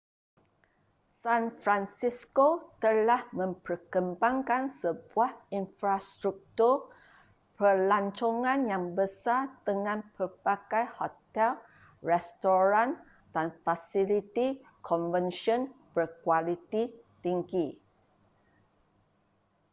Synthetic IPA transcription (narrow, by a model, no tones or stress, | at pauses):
sanfɾansiskot̪əlahmə̃mpərkəmbaŋkansəbuahinfɾast̪ɾuk̚t̪ur | pərlaɲt͡ʃoŋãnjaŋbəsadəŋãnpərpaɡajhot̪ɛl | rɛst̪oɾãn | d̥anfasilit̪i | kʰɔnvənʃɔ̃nb̥ərkwalit̪i | t̪iŋɡi